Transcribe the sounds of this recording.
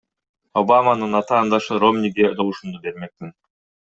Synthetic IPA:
o̞bamanɯnɑt̪ɑːnd̪ɑʃɯɾo̞mnʲiɡed̪o̞lˠuʃumd̪ube̞ɾme̞k̚min

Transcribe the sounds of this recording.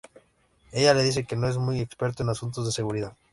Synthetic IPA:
eʎaleð̞is̬ekenõezmujekspeɾt̪oenasunt̪ozðeseɣuɾiðað

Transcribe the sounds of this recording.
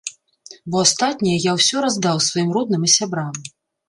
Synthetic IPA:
bɔast̪at̪ʲnʲijɐjawsʲɔɾazd̪awsvajimrɔd̪̚nɨmisʲabɾam

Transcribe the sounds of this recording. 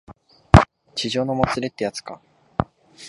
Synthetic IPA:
t͡ɕiʑo̞ːnomot͡sɨɾe̞t̪ːe̞jat͡sɨ̥ka̰

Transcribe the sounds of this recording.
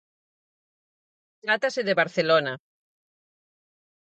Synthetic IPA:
t̪ɾat̪aseðeβaɾθelona

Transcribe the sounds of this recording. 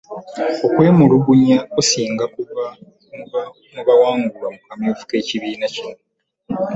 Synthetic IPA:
o̞kwe̞ːmuluβuɲaosiːŋɡakuβa | muβawaːŋɡulamukamjoːvu̥ke̞ːciβiːnacino

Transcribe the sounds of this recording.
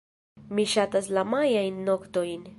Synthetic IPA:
miʃat̪as̬lamajainnokt̪oin

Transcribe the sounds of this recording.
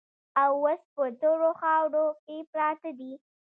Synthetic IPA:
awːəspət̪oɾoxɑwɽokepɾɑt̪ad̪i

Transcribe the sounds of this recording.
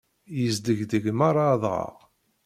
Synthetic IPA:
jəzd̪əʝðəʝmaɾˤaðˤʁə̰ʁ

